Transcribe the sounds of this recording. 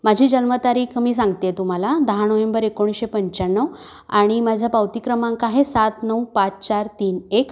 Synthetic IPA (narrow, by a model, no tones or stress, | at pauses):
mad͡ʑʱiːd͡ʑənmət̪aɾiːkmiːsãŋɡt̪et̪um̤alad̪əɦañəʋembəɾekoɳ̃ɕepəɲt͡ɕanːəʋ | a̰ɽ̃imad͡ʑʱjapawt̪ikɾəmãŋkaaɦesat̪nəwpat͡st͡ɕaɾt̪iːnek